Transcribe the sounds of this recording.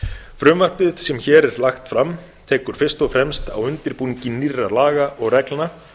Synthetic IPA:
fɾʏːmvar̥pɪðsɛmçɛːɾɛɾlaxt̪fɾam | t̪ʰɛːkʏɾ̥fɪr̥st̪ɔfɾɛmst̪a̰wʏnt̪ɪɾpuːnicɪnːiralaːɣaʔɔɣrɛklna

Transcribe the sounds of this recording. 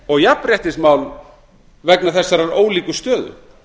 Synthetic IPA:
ɔɣjapɾjɛht̪ɪsmaːwl | vɛknaθɛsːaɾaɾoːwliːkʏst̪œːðʏ̰

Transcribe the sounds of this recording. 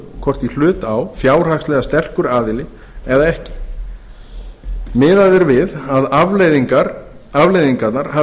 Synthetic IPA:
kʰvɔr̥t̪il̥ʏːt̪awfjaːwr̥akslɛɣast̪ɛr̥kʏɾaːðɪlɪ | ɛðaɛhcɪ̥ | mɪːðaðɛɾvɪðaðavlðiŋkaɾ | avlejðiŋkat̪naɾ̥ha

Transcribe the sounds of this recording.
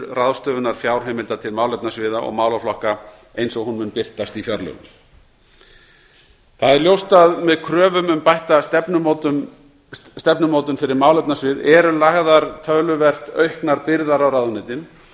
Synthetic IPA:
raðst̪œːvʏnaɾ̥fjawɾ̥ɦejmɪlt̪at̪ʰɪlmaːwlɛp̪̚nasvɪːðaʔɔ̰ɣmaːwlaflɔhka | ejnsɔɣhunmʏnpɪr̥t̪ast̪ifjœɾlʏ̰ | θaðɛɾljowst̪aðmɛðkʰɾœːvʏmʏmpajht̪at̪ɛpnʏ | st̪ɛpnʏmoːwt̪ʏnfɪɾɪɾmawlɛpnasvɪðɛɾʏlaɣðaɾ̥t̪ʰœɣlʏvɛr̥t̪œɥhknaɾpɪɾðaɾawɾaðnɪt̪ɪn

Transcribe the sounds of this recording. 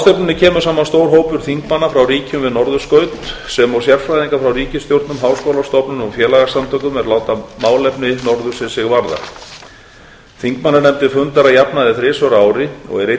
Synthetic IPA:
st̪ɛpnɪnːɪcʰɛːmʏ̥saːmanst̪oːwɾ̥ɦoːwpʏɾ̥θiŋkmanːafɾawriːcʏmvɪðnɔɾðʏskœːɥt̪sɛmɔwsjɛɾ̥fɾajðiŋkafɾawriːcɪst̪jowɾt̪nʏmɦaːwskowlast̪ɔpnʏnɔfjɛːlaɣasamt̪ʰœkʏmɛɾlaːwt̪amaːwlɛpnɪnɔɾðʏ̥sɪnsɪɣvaɾða̰ | θiŋkmanːanɛmt̪ɪfʏnt̪aɾajapnaðɪθɾɪːsœɾaːwɾɪɔ̰ɣɛɾe

